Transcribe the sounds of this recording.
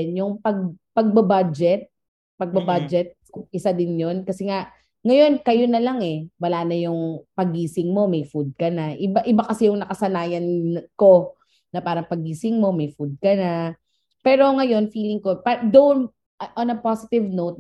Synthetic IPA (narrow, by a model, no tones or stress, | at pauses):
njʊŋpɐɡ̚pɐɡ̚bɐbad͡ʒɛt̪̚ | pɐɡ̚bɐbad͡ʒɛt̪̚ | ʔɪsad̪ɪnjo̞nkɐsɛŋaʔ | ŋɐjo̞nkɐjo̞nɐlaŋɛwɐlaːnɐjʊŋpɐɡiːsɪŋmo̞mɛjfud̪̚kɐnaʔɪbaʔɪbakɐsɛjʊŋnɐkɐsɐnaːjɐnko̞ | nɐpaːɾɐŋpɐɡiːsɪŋmo̞mɐjfud̪̚kɐna | pɛːɾo̞ŋɐjo̞nfiːlɪŋko̞pad̪on | ʔonɐpasɪt̪ɪvnowt̪̚